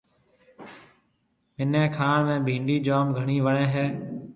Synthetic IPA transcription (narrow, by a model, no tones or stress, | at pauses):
mɪnẽːkʰaːɳmẽːbʱĩːɳɖiːd͡ʒaːmɡʱəɳiːʋəɳẽːɦeː